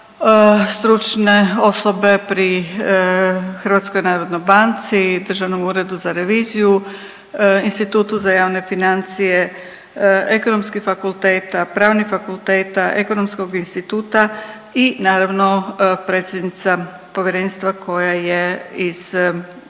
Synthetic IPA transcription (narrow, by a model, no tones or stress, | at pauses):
st̪ɾut͡ʃne̞o̞so̞be̞pɾi | xɾ̩ʋat̪sko̞jnaːɾod̪nojbant̪sid̪r̩ʒaʋno̞muːɾe̞d̪uzaɾe̞ʋiːziju | inst̪it̪uːt̪uzajaːʋne̞finant̪sije | eko̞no̞mskixfakulˠt̪e̞ːt̪apɾaːʋnixfakulˠt̪e̞ːt̪aʔe̞ko̞no̞msko̞ɡinst̪it̪uːt̪a | inaːɾaʋno̞pɾeːt̪sjed̪nit̪sa | po̞ʋjeɾe̞ːnst̪ʋakʰo̞jajeiz̥